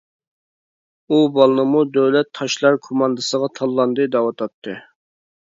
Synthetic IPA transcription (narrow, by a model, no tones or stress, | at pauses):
ubɑlˠnɨmud̪øwlɛt̪ʰːɑʃlˠɑɾkʰomɑnd̪ɨsəʁɑt̪ʰɑlˠːɑnd̪ɨd̪ɑwɑt̪ʰɑt̪ʰːɨ